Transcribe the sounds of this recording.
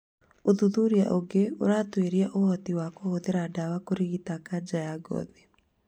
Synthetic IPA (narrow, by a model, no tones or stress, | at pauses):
oðuðuɾia̰ʔoɡeo̰ɾaːtweɾiaʔohɔtiwakohoðeɾadawakoɾiɣitakad͡ʒajaɡɔ̰ðe